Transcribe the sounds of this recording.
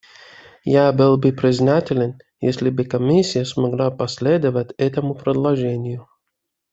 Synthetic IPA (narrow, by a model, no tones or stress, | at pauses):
jabɨlˠbɨpɾʲɪznatʲɪlʲɪn | jḛsʲlʲɪbɨkɐmʲisʲːɪjəsmɐɡlˠapɐsʲlʲed̪əvətʲɛt̪əmʊpɾɪd̪lˠɐʐɛnʲɪjʊ